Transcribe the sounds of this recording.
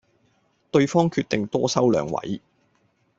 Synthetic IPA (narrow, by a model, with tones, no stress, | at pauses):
t̪ɵ˧ɥfɔː˥ŋkʰyː˧t̚t̪ɪ˨ŋt̪ɔː˥sɐ˥wlœː˨˥ŋwɐ̰˨˥j